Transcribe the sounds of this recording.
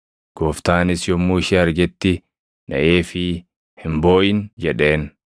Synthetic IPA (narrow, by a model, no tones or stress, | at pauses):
ɡ̥oːft̪aːnɪsjɔmːuːɪʃɪɐɾɡɛt̪ːɪ | nɐ̰ʔeːfɪ | hɪmbo̞ːʔɪnd͡ʒɛᶑe̞ːn